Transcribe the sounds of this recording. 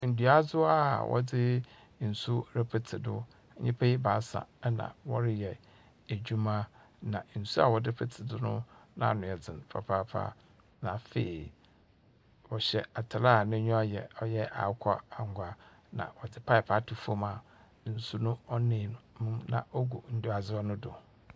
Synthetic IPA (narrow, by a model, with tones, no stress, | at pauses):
n̩˨du˨a˦zʊ˦a̰˨wʔɔ̰˦dɪ˦ | n̩˨su˦ɾɛ˦pʰɛ˨tʰɪ˨dʊ˦ | ɲɪ̃˦pʰa˦i˦ba˨˦sa̰˨˦nã̰˨wɔ˦ɾɪ˦jɛ˨ | e˨d͡ʑᶣu˦mã˦ | nã˨n̩˨su˦a˨wɔ˨dɪ˦pʰɛ˨tʰɪ˨dʊ˦nʊ̰̃˦nã̰˦˨nʊ̃˨ɛ˨d͡zɪ̃˨npʰɾa̰˨pʰa˦pʰa̰ː˦ | nã˨fḛ˨i˨ | wɔ˨ɕɛ˨a˨tʰa˨la˦˨nɪ̃˦ɲ˦ɔ˦jɛ˨ɔ˦jɛ˦ʔa̰˨˦kʷʰɔ˦a˨ŋ˨ɡʷa˨ | nã̰˨wɔ˨d͡zɪ˨pʰa˦ɪ˨pʰa˦tʰu˨fu˦ma˨ | n̩˨su˦nʊ̃˦ɔ˦nɪ̃˨mmũ˦mnã̰˨ʔɔ˦ɡu˨n̩˦dʊ˦a˨d͡zɪ˦ɔ˦nʊ̃˦dʊ̰˨